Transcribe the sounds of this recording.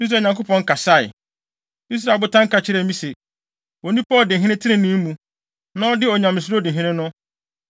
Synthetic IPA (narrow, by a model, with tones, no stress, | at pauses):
i˦s̬ɾa˨ɲã˨ŋko˦pʰɔ̃˨ŋ̩˦kʰa˨sa˦˨ɪ̰˨ | i˦s̬ɾa˨bʊ˦tʰã˦ŋ̩˦ka˨t͡ɕʰɪ˦ɾɛ˨˦mĩ˦se˨ | o˨nĩ˦pʰa˦ɔ˨dɪ̃˨ɦɪ̃˦nɪ̃˦tʰɪ˦ɪ̃˦nɪ̃˦m˦mũ˨ | nã˦ɔ˦dɪ˦ɔ˨ɲã˨mɪ̃˨s̬ʊ˦ɾo˦dɪ̃˨ɦɪ̃˦nɪ̃˦nʊ̃˦